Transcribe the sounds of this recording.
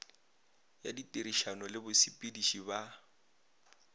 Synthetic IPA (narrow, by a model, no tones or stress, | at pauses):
ja̰ditʼeɾiʃanɔlɪbʊsipʼidiʃiba